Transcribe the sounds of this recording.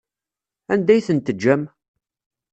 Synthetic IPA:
ænd̪æjθənt̪əd͡ʒːæm

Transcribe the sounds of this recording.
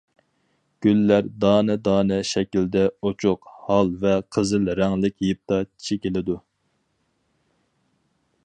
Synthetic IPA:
ɡ̥ʲylːæɾd̪ɑːnɛd̪ɑːnɛʃɛkʲild̪ɛot͡ʃʰʊqhɑlˠvɛqʰəzɪlɾɛŋlɪkʲjip̚t̪ʰɑi̥t͡ʃʰikʲelɪd̪u

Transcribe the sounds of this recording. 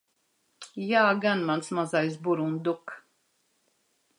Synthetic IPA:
jaːɡanmansmazajsbuɾund̪uk

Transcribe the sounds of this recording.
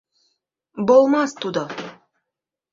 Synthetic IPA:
bolˠmɑst̪ud̪o

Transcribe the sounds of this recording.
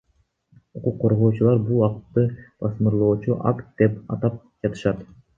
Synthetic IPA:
uquqːo̞ɾʁo̞ːt͡ʃulˠɑɾbulˠwɑqt̪ːɯb̥ɑsmɯɾlˠoːt͡ʃuʔa̰kt̪̚d̪̥e̞pɑ̰t̪ɑp̚d͡ʒɑt̪ɯ̥ʃɑt̪

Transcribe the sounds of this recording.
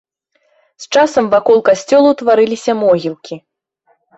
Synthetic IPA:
st͡ʂasɐmvakɔlˠkasʲt͡sʲɔlˠut̪vaɾɨlʲisʲɐmɔɣʲilˠkʲi

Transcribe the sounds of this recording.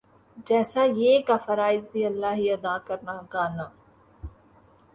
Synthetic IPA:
d͡ʒɛːsajekafɐɾaːɪzbʱiɐlːaːɦiɐd̪aːkɐɾnaɡaːnaː

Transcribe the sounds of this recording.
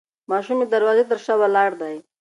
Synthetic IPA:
mɑʃumid̪aɾwɑzet̪əɾʃawalɑɽd̪aj

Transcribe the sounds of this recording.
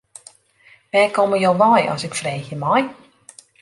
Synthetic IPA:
ʋɛːkɔməjowʋɔjɔ̰sɪkfreːxjəmɔj

